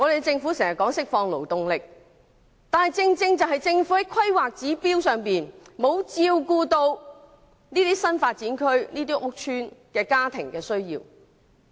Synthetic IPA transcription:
ŋɔ˨˧e˨ɡt͡sɪ˧ŋfuː˨˥se˨˩ŋjɐ˨t̚kɔː˨˥ŋsɪ˥k̚fɔː˧ŋlo̰˨˩wt̪ʊ˨ŋlɪ˨k̚ | t̪aː˨nɦɐ˨jt͡sɪ˧ŋt͡sɪ˧ŋt͡sɐ˨wɦɐ˨jt͡sɪ˧ŋfuː˨˥hɐ˨˥jkʰɐ˥jwaː˨k̚t͡siː˨˥piː˥wsœː˨ŋpiː˨nmo˨˧wt͡siː˧wkuː˧t̪o˧w | niː˥t̪iː˥sɐ˥nfaː˧t̚t͡siː˨˥nkʰɵ˥ɥniː˥t̪iː˥ʔʊ˥k̚t͡ʃʰyː˥nkɛː˧kaː˥t̪ʰɪ̰˨˩ŋkɛː˧sɵ˥ɥjḭː˧w

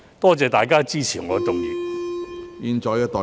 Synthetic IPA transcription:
t̪ɔː˥t͡sɛː˨˧t̪aː˨jkaː˥t͡siː˥t͡ɕʰiː˨˩ŋɔː˨˧tʊ˨˥ŋjḭː˨˩ | ji˨˧nt͡ʃɔː˨˧jkɛː˧t̪ɔː˨˩

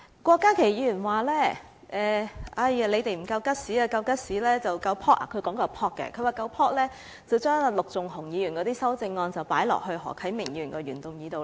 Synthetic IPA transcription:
kʷɔː˧kːaː˥kʰe˨˩jiː˨˧jyː˨˩nwaː˨˩lɛː˥˩ | ʔɛː˨˩ʔɐ˧jɐ˨˧le˨˧jt̪e˨jm̩˨˩kɐ˧wkɐ˥t̚siː˨˥a˧kɐ˧wkɐ˥t̚siː˨˥lɛː˥t͡sɐ˨wkɐ˧wpʰɔː˥t̚ʔa̰˨kʰɵ˨˧ɥkɔː˨˥ŋkɐ˧wpʰɔː˥t̚kːɛ̰˧kʰɵ˨˧ɥwaː˨˩kɐ˧wpʰɔː˥t̚lɛː˥ | t͡sɐ˨wt͡ʃœː˥ŋ˨lʊ˨k̚t͡sʊ˨ŋhʊ˨˩ŋjiː˨˧ɥyː˨˩nkɔː˨˧˥t̪iː˥sɐ˥wt͡sɪ˧ŋːɔː˧nt͡sɐ˨wpaː˨˥jlɔ̰˨k̚hɵ˧ɥɦɔ̰ː˨˩kʰɐ˨˥jmɪ˨˩ŋjyː˨˩nkɔː˧ɥyː˨˩nt̪ʊ˨ŋjiː˨˧t̪o˨w

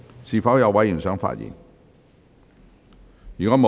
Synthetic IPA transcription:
siː˨˩fɐ˨˥wjɐ˨˧wːɐ˨˥ji˨˩ŋsœː˨˥ŋfa̰ː˧˥t̚jḭː˨˩nŋ | jyː˨kɔː˨˥mo˨

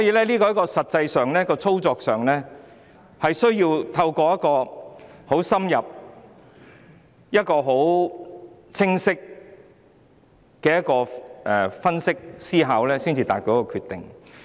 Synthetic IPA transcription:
sɔ˨˥jiː˧lɛː˥liː˥kɔː˧jkɔː˧sɐ˨t̚t͡sɐ˧jsœː˨ŋlɛː˥kɔː˧t͡sʰo˥wt͡sɔː˨k̚sœː˨ŋlɛː˥ | hɐ˨jsɵ˥ɥjiː˧wt̪ʰɐ˧wkɔː˧jɐ˥t̚kɔː˧ho˨˥wsɐ˥mjɐ˨p̚ | jɐ˥t̚kɔː˧ɦo˨˥w | t͡sʰɪ˥ŋsɪ˥k̚ | kɛː˨jɐ˥kɔː˧ʔɛ˨fɐ˥nsɪ˥k̚siː˥ɦaː˨˥wlɛː˥siː˥nt͡siː˧t̪a̰ː˨t̚t̪oː˨˧˥kɔː˧kʰyː˨˧t̪ɪ˨ŋ

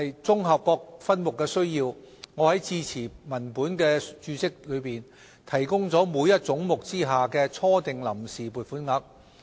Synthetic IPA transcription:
jt͡sʊ˥ŋɦɐ˨p̚kɔː˧k̚fɐ˥nmʊ˨kːɛː˧sɵ˥ɥjiː˧w | ŋɔː˨˧hɐ˨˥jt͡siː˧t͡sʰiː˨˩mɐ˨˩npuː˨˥nkɛː˧t͡ʃyː˨˧t͡sɪ˥k̚lɵ˨˧ɥpiː˨˩n | t̪ʰɐ˨˩jkʊ˥ŋt͡sɔː˨˥muː˨˧jɐ˥t̚t͡sʊ˨˥ŋmʊ˨k̚t͡siː˥ɦaː˨˩kɛː˧t͡sʰɔː˥t̪ɪ˨ŋlɐ˨˩msiː˨puː˨˩t̚fuː˨˥nŋɐ˨˥k̚

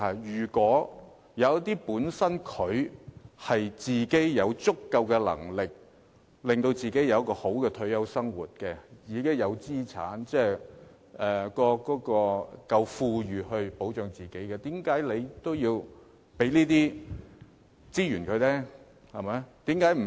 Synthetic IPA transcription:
a˨˩jyː˨˩kwɔː˨˥ | jɐ˨˧wɐ˥t̪iː˥puː˨˥nsɐ˥nkʰɵ˨˧ɥhɐ˨jt͡siː˨ke˨˥jjɐ˨˧wt͡sʊ˥kːɐ˧wkɛː˧lɐ̰˨˩ŋlɪ˨k̚ | lɪ˨ŋt̪o˧wt͡siː˨˩ke˨˥jɐ˨˧wkɔː˧ho˨˥wkɛː˧t̪ʰɵ˨˧˥ɥjɐ˥wsɐ˥ŋwṵː˨˩t̚kɛ˧jiː˨˧kɪ˥ŋjɐ˨˧wt͡siː˥t͡sʰa̰ː˨˥nt͡sɛː˥˩ | ɛː˨˩kɔː˧kɔː˨˥kɔː˧kɐ˧wfuː˧jyː˨ɦɵ˧ɥpo˨˥wt͡ʃœː˨˧ŋt͡siː˨ke˨˥jkɛː˧t̪iː˨˥mkaː˨˥jle˨˧jt̪o˥wjiː˧w | pe˨˥jniː˥t̪iː˥ | t͡siː˥jyː˨˩nkʰɵ˨˧ɥtɛː˥ | hɐ˨jmɐ˨˥jt̪iː˨˥mkaː˨˥jm̩˨˩

